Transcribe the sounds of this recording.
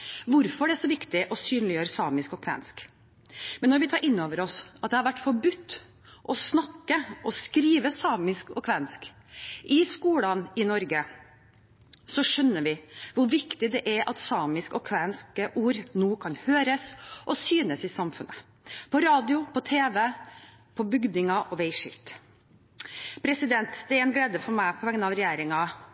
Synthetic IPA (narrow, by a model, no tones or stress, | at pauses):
ʋʊɾfɔɖɛæʂɔʋɪkt̪ɪʔɔsyːnlɪjøːɾəsɑːmɪskɔkʰʋɛ̰nsk | mɛnːɔɾʋɪt̪ʰɑːɾɪnːoːʋəɾɔsɑt̪̚d̪ɛhɑɾʋæʈːfɔbʉt̪ː | ʔɔsnɑkːəʔɔskɾiːʋəsɑːmɪskɔ̰kʰʋɛnsk | ʔɪskuːlɑnɪnɔɾɡə | sɔʂœnːəʋɪʋʊɾʋɪkt̪ɪd̪ɛʔæɾʔɑt̪sɑːmɪskɔkʰʋɛnskəʔuːɾnoːkʰɑnhøːɾəsʔɔsyːnəsɪsɑmfʉnːə | pʰɔɾɑːd̪ɪʊpʰɔt̪ʰeːʋə | pʰɔbʏɡd̪ɪŋɑʔɔʋeɪʂɪ̰lt̪ | pʰɾɛsɪd̪ɛnt̪d̪ɛæɾɛnɡleːd̪əfɔɾmæɪpʰɔʋɛŋnɑʋɾɛjeːɾɪŋɑ